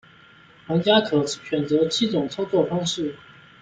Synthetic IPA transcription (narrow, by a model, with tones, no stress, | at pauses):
xa˧˥ŋt͡ɕja˥kʰɤ˨˩˥ɕɥɛ˨˩nt͡sɤ˧˥t͡ɕʰi˥˩t͡sʊ˨˩ŋt͡sʰɑ˥ʊt͡swɔ˥˩fɑ˥ŋʂɻ̩˥˩